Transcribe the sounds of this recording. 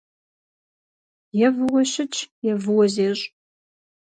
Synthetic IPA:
jɛvɨwɔʃɪt͡ʃʼʰjɛvɨwɔzeːɕʼ

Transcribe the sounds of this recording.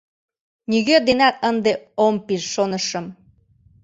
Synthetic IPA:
niɣød̪enæt̪ənd̪eompiʃʃonəʃə̆m

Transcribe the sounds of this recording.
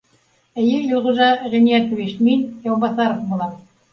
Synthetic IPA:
ɘ̆jɘjŏlʁŭʒɑʁĭnijæt̪ŏvit͡ɕminjɑwbɑsɑɾŏfbulˠɑm

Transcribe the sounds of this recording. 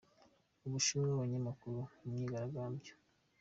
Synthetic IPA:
uβuʃuːɾeoβaɲamakuɾuumɲiːɡaɾaɡaːmbjo̥

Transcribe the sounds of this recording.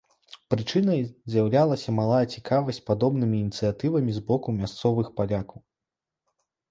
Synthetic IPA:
pɾɨt͡ʂɨnɐjzʲjɐwlʲalˠɐsʲɐmalˠajɐt͡sʲikʰavɐsʲt͡sʲpad̪ɔbnɨmʲiːnʲit̪sɨjat̪ɨvɐmʲizbɔkumʲast̪sɔvɨxpalʲakɐw

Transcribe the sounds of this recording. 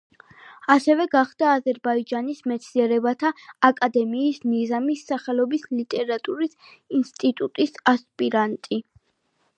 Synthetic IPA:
asɛvɛɡaχd̪aːzɛɾbaid͡ʒanismɛt̪sʰniɛɾɛbat̪ʰaːkʼad̪ɛmiːsmizamisːaχɛlɔbislit̪ʼɛɾat̪ʼuɾisinst̪ʼit̪ʼut̪ʼisaspʼiɾant̪ʼi

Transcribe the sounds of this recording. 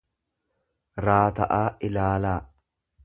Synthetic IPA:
ɾaːt̪ɐʔaːʔɪlaːlaː

